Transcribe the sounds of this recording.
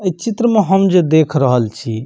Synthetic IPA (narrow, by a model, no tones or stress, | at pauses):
əjt͡ʃit̪ɾəmeɦəmd͡ʒed̪ekʰɾəɦəlt͡ʃʰi